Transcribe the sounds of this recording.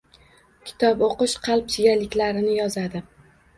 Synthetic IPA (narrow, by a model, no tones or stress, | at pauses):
kʲʰɪ̥t̪ʰɒpoqɨʃqʰɑlˠp̚sʰɪɡʲalɪkʲlaɾɪnɪjɒzad̪ɪ